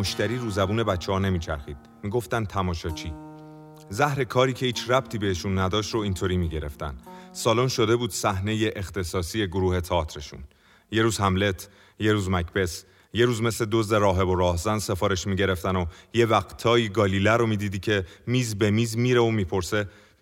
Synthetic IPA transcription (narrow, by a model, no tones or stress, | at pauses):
moʃt̪æɾiːɾuːzæbuːne̞bæt͡ʃʰːehɒːne̞miːt͡ʃʰæ̰ɾxiːd̪̥̚ | miːɡo̞ft̪ænt̪ʰæmɒːʃɒːt͡ʃʰiː | zæhɾe̞kʰɒːɾiːcʰe̞hiːt͡ʃʰræb̥̚t̪ʰiːbeeʃunːæd̪ɒːʃt̪ɾoint̪ʰoɾiːmiːɟe̞ɾe̞ft̪æ̰nsɒːlonʃo̞d̪e̞buːd̪̥sæhne̞je̞ʔext̪e̞sɒːsie̞ɡoɾuːhe̞t̪ʰɒːt̪ʰɾe̞ʃṵn | je̞ɾuːzhæmle̞t̪ʰ | je̞ɾuːzmæcpe̞s | jeɾuːzme̞sle̞d̪o̞zd̪e̞ɾɒːɦe̞bo̞ɾɒːhzænd̪se̞fɒːɾe̞ʃmiːɟe̞ɾe̞ft̪ænoje̞væɣt̪ʰɒːiɡɒːliːlæɾomiːd̪iːd̪iːcʰe̞miːzbe̞miːzmiːɾeomiːpʰo̞ɾse̞